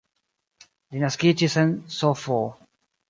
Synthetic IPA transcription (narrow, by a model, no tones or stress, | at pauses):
linaskit͡ʃisə̃nsɔfɔ